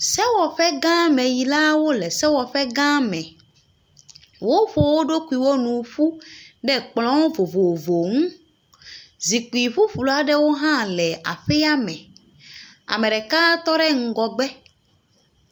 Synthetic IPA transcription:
sɛ˦wɔ˨ɸɛ˦ɡã˦mɛ̃˨ji˨la˦wo˦lɛ˨sɛ˦wɔ˨ɸɛ˦ɡã˦mɛ̃˨ | wo˦ɸo˨wo˦ɖo˦ku˦i˨wo˦nũ˨ɸu˦ɖɛ˦k͡plɔ̃˦wo˦vo˨vo˨vo˨ŋũ˦ | zi˨k͡pu˨i˨ɸu˦ɸu˨lo˨˦a˦ɖɛ˦wo˦ɦã˦lɛ˨a̰˨ɸɛ˦a˦mɛ̃˨ | a̰˨mɛ̃˨ɖɛ˨ka˦t̪ɔ˦ɖɛ˦ŋ̩˦ɡɔ˨ɡ͡bɛ˦

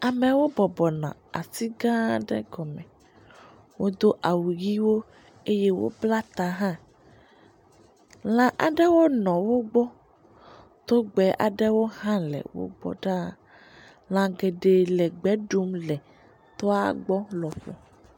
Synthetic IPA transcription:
a˨mɛ̃˨wo˦bɔ˨bɔ˨nã̰˨a̰˨si˦ɡã˦ɖɛ̰˦ɡɔ˨mɛ̃˨ | wo˦d̪o˦ʔa˨wu˨ji˦wo˦ | e˦je˦wo̰˦bla˦t̪a˨ɦã˦ | l̃ã˨ʔa̰˨ɖɛ˦wo˦nɔ̃˨wo˦ɡ͡bɔ˦ | t̪o˦ɡ͡bɛ˨ʔa̰˨ɖɛ˦wo˦hã˦lɛ̰˨wo̰˦ɡ͡bɔ̰˦ɖa˦ | l̃ã˨ɡe˨ɖe˨lɛ˨ɡ͡bɛ˨˦ɖo˦mlɛ˨ | t̪ɔ˦a̰˦ɡ͡bɔ˦lɔ˨ɸo̰˦

